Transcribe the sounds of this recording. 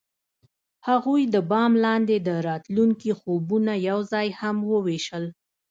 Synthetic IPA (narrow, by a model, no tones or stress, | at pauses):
haɣujd̪əbɑmlɑnd̪ed̪əɾɑt̪luŋkixobunajawzɑjhamwəweʃəl